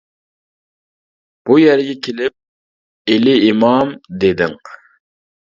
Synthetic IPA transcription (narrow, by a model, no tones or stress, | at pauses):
b̥ujɛɾɡʲɛkʲʰelɪp̚ | elɪimɑmd̪ed̪ɪŋ